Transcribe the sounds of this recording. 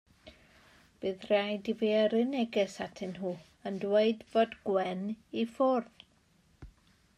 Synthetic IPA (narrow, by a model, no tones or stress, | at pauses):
b̥ɨːðrajdiviəɾɪnɛɡɛsatʰɪnɦuː | əndweɨdv̥odɡwɛnifʊrð